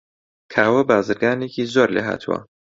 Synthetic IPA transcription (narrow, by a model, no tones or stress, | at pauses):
kʰaːwɐbaːzɨɾɡaːnecʰiːzoːɾlḛːɦa̰ːt̪ʰuwɐ̰